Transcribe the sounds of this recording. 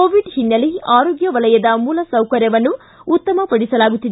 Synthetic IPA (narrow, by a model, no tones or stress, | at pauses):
oːʋiɖhinːɐliaːɾoːɡjɐʋɐlɐjɐd̪ɐmuːlɐsɐwkɐɾjɐʋɐnːuː | t̪ːɐmɐpɐɽisɐlaːɡut̪ːid̪e